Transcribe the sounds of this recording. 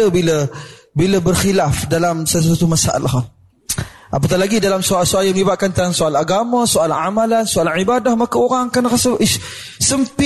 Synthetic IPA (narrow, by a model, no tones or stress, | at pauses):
əbilə | biləbərxilafdalamsəas̬at̪umasaʔa̰laxa | ʔap̬ət̪̬alaɡidalamsuasuajəməlibaʔ̪̚kant̪aaŋsoalaɡamasoalaʕamalansoalanʕibadahmakaoɾaŋkanaxasəʔi | səmpi